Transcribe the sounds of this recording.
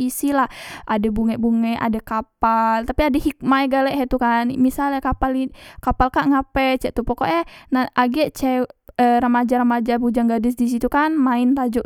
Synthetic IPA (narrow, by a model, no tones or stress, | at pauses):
isilahʔadɛbuŋɛʔbuŋɛʔa̰dɛkapalt̪apiadɛhik̚maɛɡalɛʔɦɛt̪ukanmisalakapalikapalkaʔŋapɛt͡ʃɛʔt̪upɔkɔ̰ʔjɛnaʔaɡɛʔt͡ʃɛərəmad͡ʒaɾəmad͡ʒabud͡ʒaŋɡadɛsdis̬it̪ukanmaɪnt̪ad͡ʒɔʔ